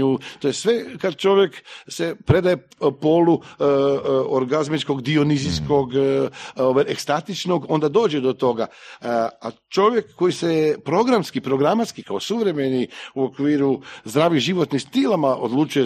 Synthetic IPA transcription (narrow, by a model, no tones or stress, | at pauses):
ut̪ojesʋekad̪t͡ʃo̞ʋjeksepɾe̞d̪aje | po̞lu | oɾɡazmit͡ʃko̞ɡd̪ionizisko̞ɡ | oʋaʔekst̪at̪it͡ʃno̞ɡo̞nd̪ad̪o̞ːd͡ʒed̪o̞t̪o̞ɡa | a | t͡ʃo̞ʋje̞kːo̞jisepɾo̞ɡɾamskipɾo̞ɡɾamat̪skikaosuʋɾe̞meniuo̞kʋiːɾuzd̪ɾaːʋiʒiʋo̞t̪nixst̪ilˠamaʔo̞̰d̪lut͡ʃuje